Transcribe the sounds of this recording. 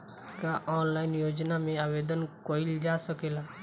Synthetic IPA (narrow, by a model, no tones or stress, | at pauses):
kaʔɔːnlaːɪnjoːd͡ʒnamẽaːʋeːd̪ənkoːild͡ʒaːsəkeːlaː